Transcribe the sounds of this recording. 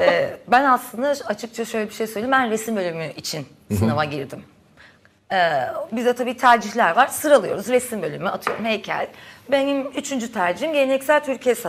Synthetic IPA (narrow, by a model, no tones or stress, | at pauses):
ɛːbænaslˠɯnd̪aat͡ʃʰɯk̚t͡ʃʰaʃø̞jlʲɛbiʃe̞jsø̞jleiimbænɾesimbø̞lʲymyʔit͡ʃʰin | sɯnavaɟiɾd̪im | ɛːbizd̪ɛt̪ʰabiːt̪ʰæɾd͡ʒiçlʲæɾvaɾ̥sɯɾalˠɯjo̞ɾuzɾesimbø̞lʲymyat̪ʰɯjo̞ɾumhejcʰæ̰lʲbenimyt͡ʃʰynd͡ʒyt̪ʰæɾd͡ʒiɦimɟenɛcsælʲt̪ʰyɾcʰijɛsa